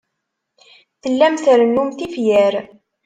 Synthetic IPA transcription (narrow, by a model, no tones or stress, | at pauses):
θəlːæmθəɾənːumθifjæɾ